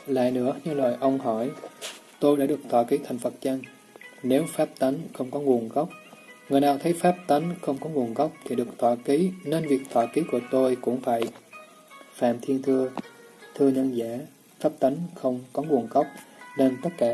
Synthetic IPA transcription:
la̰ː˧˨jnɨ̰˧˥əɲɨ˧lwaː˨˩jʔə˧wŋ͡mɦɔ˧˩jt̪o˧jɗa̰ː˧˥ɗɨ˨˩ək̚t̪waː˧˩ki˨˦t̪ʰa˨˩jŋ̟fə˨˩t̚t͡ɕa˧ŋ | ne˨˦wfaː˦˥p̚t̪a˨˦ŋxə˧wŋ͡mkɔ˨˦ŋu˨˩ənɣa˦˥wk͡p̚ŋɨ˨˩əjnaː˨˩wt̪ʰə˨˦jfaː˦˥p̚t̪a˨˦jŋxə˧wŋ͡mkɔ˨˦ŋu˨˩ənɣa˦˥wk͡p̚t̪ʰi˨˩ɗɨ˨˩ək̚t̪ʰwaː˧˩ki˨˦ne˧nvi˨˩ək̚t̪ʰwa̰ː˧˩ki˨˦ku˧˩ət̪o˧jkʊ̰˧˥ŋ͡mfaː˧˩j | fa̰ː˧˨mt̪ʰi˧ənt̪ʰɨ˧ə | t̪ʰɨ˧əɲə˧nzaː˧˥˨ | faː˦˥p̚t̪a˨˦jŋxə˧wŋ͡mkɔ˨˦ŋu˨˩ənɣa˦˥wk͡p̚ne˧nt̪ə˦˥t̚kaː˧˩

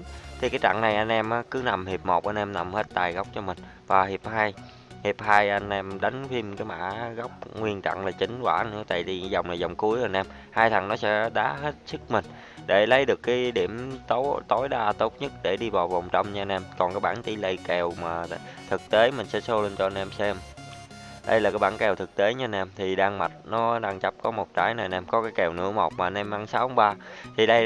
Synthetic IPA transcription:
t̪ʰi˨˩kaː˨˦jt͡ɕa̰˧˨ŋna˨˩jʔa˧jnʔɛ˧mʔaː˨˦kɨ˨˦na˨˩mhi˨˩əp̚mo˨˩t̚ʔa˧nʔɛ˧mna˨˩mhe˦˥t̚t̪aː˨˩jɣa˦˥wk͡p̚t͡ɕɔ˧mï˨˩ŋ̟ | vaː˨˩hi˨˩əp̚haː˧j | hi˨˩əp̚haː˧jʔa˧jŋ̟ʔɛ˧mɗa˨˦jŋ̟fi˧mkaː˨˦jma̰ː˧˩ɣa˦˥wk͡p̚ŋwi˧ənt͡ɕa̰˧˨ŋlaː˨˩t͡ɕï˨˦ŋ̟kwaː˧˩nɨ̰˧˥ət̪a̰ː˧˨jt̪i˨˩zə˨˩wŋ͡mnaː˨˩zə˨˩wŋ͡mku˨˦əjʔa˧nʔɛ˧m | haː˧jt̪ʰa˨˩ŋnɔ˨˦sɛ̰˧˥ɗaː˨˦ɦe˦˥t̚sɨ˦˥k̚mï˨˩ŋ̟ | ɗe˧˩lə˨˦jɗɨ˨˩əkːaː˨˦jɗi˧˩əmt̪o˦˥t̪o˨˦jɗaː˧t̪o˦˥t̚ɲə˦˥t̚ɗe˧˩ɗi˧vaː˨˩wva˨˩wŋ͡mt͡ɕə˧wŋ͡mɲaː˧nɛ˧mkɔ˨˩nkaː˨˦jɓaː˧˩˨nt̪i˧˩lə˧jkɛ˨˩wmaː˨˩t̪ʰɨ˨˩k̚t̪e˨˦mï˨˩ŋ̟sɛ̰˧˥so˧lə˧nt͡ɕɔ˧nɛ˧msɛ˧m | ɗə̰˧jlaː˨˩kaː˨˦jɓaː˧˥nkɛ˨˩wt̪ʰɨ˨˩k̚t̪e˨˦ɲa˧nɛ˧mt̪ʰi˨˩ɗaː˧ŋma˨˩t̚nɔ˨˦ɗaː˧ŋt͡ɕə˦˥p̚kɔ˨˦mo˨˩t̚t͡ɕaː˨˦jna˨˩nɛ˧mkɔ˨˦kaː˨˦jkɛ˨˩wnɨ̰˧˥əmɔ˨˩wk͡p̚maː˨˩nɛ˧mʔaː˧ŋsaː˨˦whɔ˨˦ŋ͡mɓaː˧t̪ʰi˨˩ɗə˧j

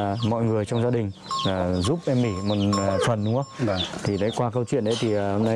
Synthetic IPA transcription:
mɔ̰˧˨jŋɨ˨˩əjt͡ɕɔ˧wŋ͡mzaː˧ɗï˨˩ŋ̟ː˨˩zu˦˥p̚ʔɛ˧mːi˧˩mo˨˩t̚ːt̪ʰwə˨˩nɗʊ̰˨˦ŋə˦˨t̪ʰi˨˩ɗa̰ː˧˨˦jkwaː˧kə˧wt͡ɕwḭ˧˨ənʔɗə˨˦jt̪ʰi˨˩˨ho˧mna˧

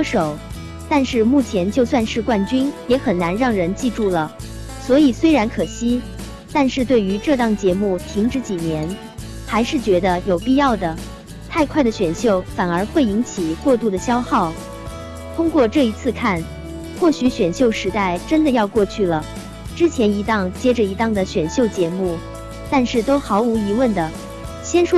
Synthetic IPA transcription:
ʂo˨˩˦ʊ | t̪a˥˧nʂɻ̩˥˧mu˥˩t͡ɕʰjɛ˧˥nt͡ɕjo˥˧ʊswa˥˧nʂɻ̩˥˧kwa˥˩nt͡ɕy˥njɛ˧˥xə˨˩nna˧˥nɻɑ˥˩ŋɻə˧˥nt͡ɕi˥˧ʈ͡ʂu˥˩lə˩ | swɔ˧˥i˨˩swe˥ɪɻa˧˥nkʰɤ˨˩ɕi˥ | t̪a˥˧nʂɻ̩˥˧t̪we˥˩ɪy˧˥ʈ͡ʂɤ˥˧t̪ɑ˥˩ŋt͡ɕjɛ˧˥mu˥˩t̪ʰi˧˥ŋʈ͡ʂɻ̩˧˥t͡ɕi˨˩njɛ˧˥n | xa˧˥ɪʂɻ̩˥˩t͡ɕɥɛ˧˥d̪ə˧jo˨˩ʊpi˥˧jɑ˥˩ʊd̪ə˩ | t̪ʰa˥˧ɪkʰwa˥˩ɪd̪ə˩ɕɥɛ˨˩nɕjo˥˩ʊfa˨˩nə˞˧˥xwe˥˩ɪi˧˥nt͡ɕʰi˨˩kwɔ˥˧t̪u˥˩d̪ə˩ɕjɑ˥ʊxɑ˥˩ʊ | t̪ʰʊ˥ŋkwɔ˥˧ʈ͡ʂɤ˥˩i˧˥t͡sʰɹ̩˥˧kʰa˥˩n | xwɔ˥˩ɕy˧˥ɕɥɛ˨˩nɕjo˥˩ʊʂɻ̩˧˥t̪a˥˩ɪʈ͡ʂə˥nd̪ə˨jɑ˥˧ʊkwɔ˥˧t͡ɕʰy˥˩lə˩ | ʈ͡ʂɻ̩˥t͡ɕʰjɛ˧˥ni˧˥t̪ɑ˥˧ŋt͡ɕjɛ˥ʈ͡ʂə˨˩i˧˥t̪ɑ˥˩ŋd̪ə˩ɕɥɛ˨˩nɕjo˥˩ʊt͡ɕjɛ˧˥mu˥˩ | t̪a˥˧nʂɻ̩˥˩t̪o˥ʊxɑ˧˥ʊu˧˥i˧˥wə˥˩nd̪ə˩ | ɕjɛ˥nʂwɔ˥

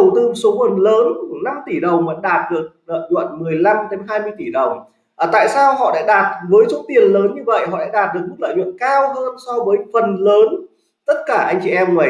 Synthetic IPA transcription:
ə˨˩wt̪ɨ˧m̚˨˩so˨˦mə˨˩nləː˨˦n˧na˧mt̪i˧˩ɗə˨˩wŋ͡mvə̰˧˥nɗaː˨˩t̚ɗɨ˨˩ək̚nə̰ː˧˨jzwə̰˧˨nmɨ˨˩əjla˧mt̪e˨˦nɦaː˧jmɨ˧əjt̪i˧˩ɗə˨˩wŋ͡m | ʔəː˨˩t̪a̰ː˧˨jsaː˧wɦɔ̰˧˨ɗa̰ː˧˥ɗaː˨˩t̚vəː˨˦jso˨˦t̪i˨˩ənləː˨˦nɲɨ˧və̰˧˨jhɔ̰˧˨ɗa̰ː˧˥ɗaː˨˩t̚ɗɨ˨˩ək̚ɲɨ̰˧˥klə̰ː˧˨jwɨ̰˧˨ŋkaː˧wɦəː˧nsɔ˧vəː˨˦jfə˨˩nləː˨˦n | t̪ə˦˥t̚kaː˧˩ʔa˧jŋ̟t͡ɕi˨˩ʔɛ˧mŋə˨˦

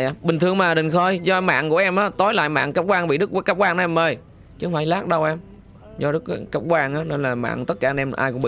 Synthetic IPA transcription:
jaː˨˧˩ɓï˨˩ŋ̟t̪ʰɨ˨˩əŋmaː˨˩ɗï˨˩ŋ̟xo˧˩jzɔ˧ma̰ː˧˨ŋku˧˩əʔɛ˧mʔaː˨˦t̪o˨˦jla̰ː˧˨jma̰ː˧˨ŋka˦˥p̚kwaː˧nɓḭ˧˨ɗɨ˦˥k̚wkaː˦˥p̚kwaː˧nː˧ɛ˧məː˨˩j | t͡ɕɨ˧˥˦ŋ͡mfaː˧˩jlaː˦˥k̚ɗə˧wʔɛ˧m | zɔ˧ɗɨ˦˥k̚ːkaː˦˥p̚kwaː˧ŋʔaː˨˦ne˧nlaː˨˩ma̰ː˧˨ŋt̪ə˦˥t̚kaː˧˩˧ʔɛ˧mʔaː˧jkʊ˧˥ŋ͡mɓ̰ḭ˧˨

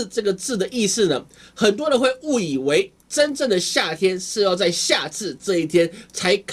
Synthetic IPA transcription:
ʈ͡ʂɤ˥˩ɡə˩t͡sɹ̩˥˩d̪ə˩ʔi˥˧ʂɹ̩˥˩nə˩ | xə˨˩nt̪̬wɔ˦ɻə˧˨nxwe˥˧ɪu˥˩i˨˩we˧˥ɪ | ʈ͡ʂə˦nʈ͡ʂə˥˩ŋd̪ə˩ɕja˥˩t̪ʰjɛ˥nʂɻ̩˥˧jɑ˥˧ʊt͡sa˥˧ɪɕja˥˧t͡sʰɹ̩˥˧ʈ͡ʂɤ˥˧i˥˩t̪ʰjɛ˥nt͡sʰa˧˥ɪkʰ

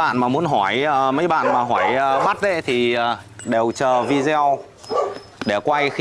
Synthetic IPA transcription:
a̰ː˧˨nmaː˨˩mu˨˦ənɦɔ˧˩jmə˨˦jɓa̰ː˧˨nmaː˨˩ɦɔː˧˩jɓa˦˥t̚ɗḛ˧˥t̪ʰi˨˩˨ɗe˨˩wt͡ɕəː˨˩vi˧zɛ˧w | ɗe˧˩kwa˧jx

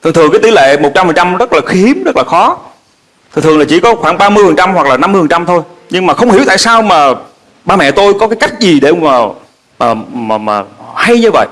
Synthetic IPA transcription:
t̪ʰɨ˨ŋt̪ɨ˨˩ŋkaː˨˦jt̪i˧˦lḛ˧˨mo˨˩t̚t͡ɕa˧mfə˨˩ŋt͡ɕa˧mzə˦˥t̚laː˨˩xi˨˦əmzə˦˥t̚laː˨˩xɔ˨˦ | tt̪ʰɨ˨˩t̪ʰɨ˨˩əŋla˨˩t͡ɕi˧˩kɔ˨˦xwaː˧˩ŋɓaː˧mɨ˧əjfə˨˩ŋt͡ɕa˧mhwa˨˩k̚laː˨˩na˧mɨ˧jfə˨˩ŋt͡ɕa˧mt̪ʰo˧jɲɨ˧ŋmaː˨˩xə˧wŋ͡mhi˧˩˦əwt̪a̰ː˧˨jsaː˧wmaː˨˩ | ɓaː˧mɛ̰˧˨t̪o˧jkɔ˨˦kaː˨˦jka˦˥jk̟̚zi˨˩ɗe˧˩maː˨˩ | maː˨˩maː˨˩maː˨˩ha˧jɲɨ˧və̰˧˨j

